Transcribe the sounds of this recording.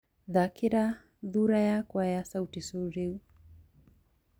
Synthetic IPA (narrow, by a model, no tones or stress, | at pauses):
ðakiɾa | ðuɾajakwajasautisuɾiu